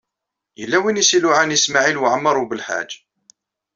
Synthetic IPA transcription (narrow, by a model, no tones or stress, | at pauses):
jəlːæwinisiluʕanjəsmaʕilwʕəmːɑɾˤubəlħa̰d͡ʒ